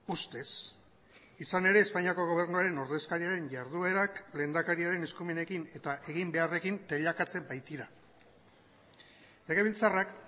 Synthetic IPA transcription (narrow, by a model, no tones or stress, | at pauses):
ust̪e̞s | isane̞ɾe̞ːspaɲiako̞ɣ̞o̞β̞e̞ɾnuaɾe̞no̞ɾðe̞skaɾiaɾe̞ɲʝaɾðue̞ɾakle̞ːnd̪akaɾiaɾe̞ne̞skume̞ne̞kine̞t̪aʔe̞ɣimbe̞are̞kint̪e̞ʎakat͡se̞mbajt̪iɾa | leɣeβilt͡sarak